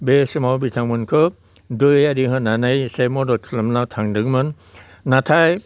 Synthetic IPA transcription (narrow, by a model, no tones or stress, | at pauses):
besimawbit̪ʰaŋmɯnkʰɯ | dujadiɦənanajsejmɔdɔsʰləmlawtʰaŋdɯŋmɯn | natʰaj